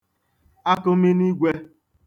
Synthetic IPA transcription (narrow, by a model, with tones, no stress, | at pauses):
a˦kʊ˦mi˦ni˦ɡʷe˦